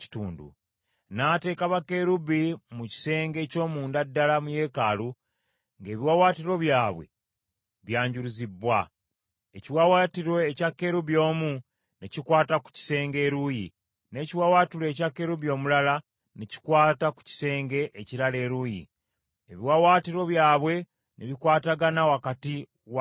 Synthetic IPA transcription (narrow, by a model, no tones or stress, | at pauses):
i̥tuːndṵ | naːte̞ːkaβakːe̞ɾuβimuci̥se̞ːŋɡe̞ːco̞ːmuːndadːalamuje̞kaːlu | ŋɡe̞ːβiwawaːtiɾo̞βjaːβwe̞̰ | βjaːɲɟuɾuzibːwa | eciwawatiɾo̞ecakːe̞ɾuβjo̞ːmu | necikwaːtaku̥ci̥se̞ːŋɡe̞ːɾujḭ | ne̞ːciwawaːtile̞ːcakːe̞ɾuβjo̞ːmulala | neci̥kwaːtaku̥ci̥se̞ːŋɡe̞ʔːciɾale̞ːɾuːjḭ | eβiwawaːtiɾo̞βjaːβwe̞ | neβikwaːtaɡanawakati | w